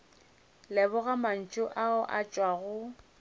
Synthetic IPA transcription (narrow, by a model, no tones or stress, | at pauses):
lɛbʊɣaman̩t͡ʃʼʊʔaʊʔat͡ʃʼwaɣʊ